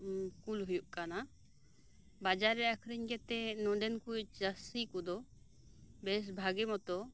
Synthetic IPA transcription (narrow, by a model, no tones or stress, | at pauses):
kulɦujuʔkana | bad͡ʒaɾːɛakʰɾiɲɡɛt̪ɛnɔ̃ɖɛnkujd͡ʒastikɔd̪ɔ | bɛs̬bʱaɡɛmɔt̪ɔ